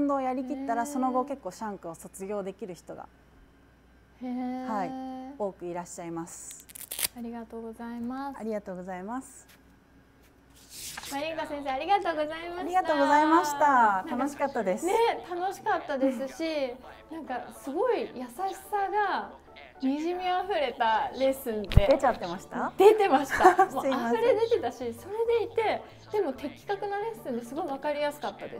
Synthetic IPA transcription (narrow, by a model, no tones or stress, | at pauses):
nd̪o̞ːjaɾʲikʲit̪ːaɾaso̞no̞ɡo̞ke̞kːo̞ːɕãŋkɯoso̞t͡sɨɡʲo̞ːd̪e̞kʲiɾɯ̟çi̥t̪o̞ɡa̰ | haio̞ːkɯ̟iɾaɕːaimasɨ̥ | ɾiɡat̪oɡozaimaɾʲiɡat̪o̞ːɡo̞zaimasɨ̥ | maɾʲikasẽs̬e̞ːaɾʲiɡat̪o̞ːɡo̞zaimaaɾʲiɡat̪o̞ːɡo̞zaimaɕi̥t̪at̪anoɕi̥kat̪ːad̪e̞sne̞t̪ano̞ɕi̥kat̪ːad̪e̞sɨɕi | nãŋkasɨɡo̞ijasaɕi̥saɡa | ɲʲiʑimʲiaɸɯ̟ɾe̞t̪aɾe̞sɨ̃nd̪e̞d̪et͡ɕat̪ːe̞maɕi̥t̪ad̪e̞t̪e̞maɕi̥t̪amoaɸɯ̟ɾe̞d̪e̞t̪e̞t̪aɕiso̞ɾe̞d̪e̞it̪e̞ | d̪̥e̞mo̞t̪e̞kʲːi̥kakɯ̟naɾe̞sɨ̃nd̪e̞sɨɡo̞iβ̞akaɾʲijasɨ̥kat̪ːad̪e̞̰s